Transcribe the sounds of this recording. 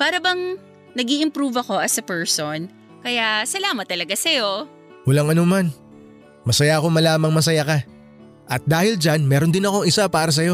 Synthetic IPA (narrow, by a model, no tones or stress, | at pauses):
paːɾɐbɐŋ | nɐɡiːʔɪmpɾuːvɐko̞ʔɐsɐpɛɹson | kɐjasɐlaːmɐt̪ːɐlɐɡasɐjo̞ | wɐlaŋɐnoman | mɐsɐjaɐko̞mɐlaːmɐŋmɐs̬ɐjakɐ | ʔɐt̪̚d̪aːhɪld͡ʒanmɛːɾond̪ɪnɐko̞ŋɪsapaːɾɐs̬ɐjo̞